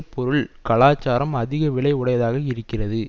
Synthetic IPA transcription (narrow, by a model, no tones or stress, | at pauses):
pɔɾɯɭkɐɭaːt͡ʃːaːɾɐmɐðɪɣɐʋɪɭɐɪʊɽɐjɐðaːɣɐɪɾɯkːɪrɐðɯ